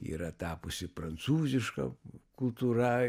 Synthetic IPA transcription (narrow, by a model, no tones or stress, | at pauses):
ḭːɾɐt̪ɑːpʊsʲɪpɾɐnt̪suːzʲɪʃkɐ̰kʊlˠt̪uːɾɐ